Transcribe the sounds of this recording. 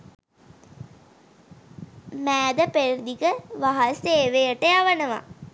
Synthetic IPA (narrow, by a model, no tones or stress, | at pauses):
mæːd̪əpeɾird̪ikəʋaɦaseːʋejəʈəjaʋənəʋa̰